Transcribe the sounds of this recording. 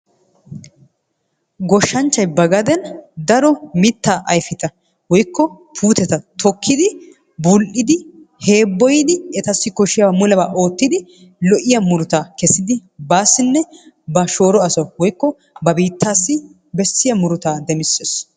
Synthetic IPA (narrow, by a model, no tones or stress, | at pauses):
ɡɔʃːɐnt͡ʃːɐjbɐɡɐd̪ɛnd̪ɐɾɔmɪt̪ːaːʔɐjfɪt̪ɐ | wɔjkʰːɔ | pʰuːt̪ɛt̪ɐt̪ʰɔkʰːɪd̪ɪ | bʊlʔɪd̪ɪ | he̞ːbːɔjɪd̪ɪɛt̪ɐsːɪkɔʃɪjɐwamʊlɐbaːʔo̞ːt̪ːɪd̪ɪ | lɔʔɪjɐmʊɾʊt̪aːkɛsɪd̪ɪbaːsːɪnːɛ | bɐʃo̞ːɾɔɐsɐwɔjkːɔ | bɐbiːt̪ːaːsːɪ | bɛsːɪjɐmʊɾʊt̪aːd̪ɛmɪsːes